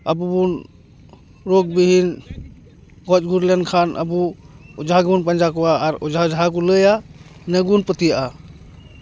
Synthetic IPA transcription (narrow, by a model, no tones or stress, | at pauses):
əbubun | ɾɔk̚biɦin | ɡɔt͡ʃɡʱuɾlɛnkʰanʔə̰buɔd͡ʒaɡbunpənd͡ʒakɔaːɾɔd͡ʒʱad͡ʒɦak̬uləjanəɡunpət̪ijaʔa